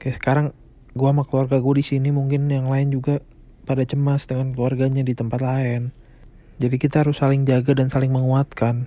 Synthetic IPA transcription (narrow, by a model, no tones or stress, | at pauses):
kajasə̥kaɾaŋ | ɡuamakluarɡaɡuadisinimuŋkɪnjaŋlaɪnd͡ʒuɡa | padat͡ʃəmasdəŋankluarɡaɲadit̪əmpat̪laɪn | d͡ʒadikit̪aaɾʊsːalɪŋd͡ʒaɡadansalɪŋməŋuat̪kan